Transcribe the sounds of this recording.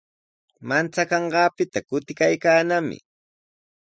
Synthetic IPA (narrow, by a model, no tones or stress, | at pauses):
mant͡sakɑɴɢɑːpɪt̪akʊt̪ɪkajkaːnamɪ̰